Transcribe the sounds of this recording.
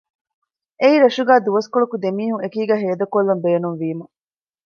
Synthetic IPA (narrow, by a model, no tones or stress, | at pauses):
eiɾɐʃuɡæːd̪uʋɐskoɭukud̪emiːhuŋekiːɡæːɦeːd̪ɐkolːɐmbeːnunʋiːmɐ